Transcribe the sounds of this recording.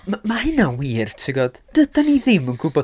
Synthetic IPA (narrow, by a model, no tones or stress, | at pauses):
mamahɪnawiːrtʰɪɡɔd̥d̥əd̥aniðɪmənɡ̥ʊbɔ